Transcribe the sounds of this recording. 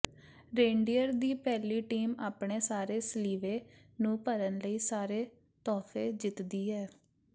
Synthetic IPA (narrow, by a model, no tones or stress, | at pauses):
ɾẽːɳɖiːəɾd̪iːpɛːliːʈiːmaːpɳeːsaːɾeːsəliːʋeːnũːpəɾənləiːsaːɾeː | t̪ɔːfʰeːd͡ʒɪt̪d̪iːɦɛː